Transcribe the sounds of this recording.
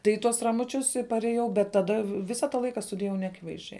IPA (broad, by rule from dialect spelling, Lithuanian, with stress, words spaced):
tɐɪ ɪ ˈtuɔs rɐmʊˈt͡ʃʲʊs ɪ pɐrʲeːˈjɛʊ bʲɛt tɐˈdɐ ˈʋʲɪsɐ tɐ ˈlˠɐɪkɐ stʊdʲɪjɛˈʋɐʊ nʲɛɐˈkʲɪʋɐɪzʲˌd͡ʒʲɛɪ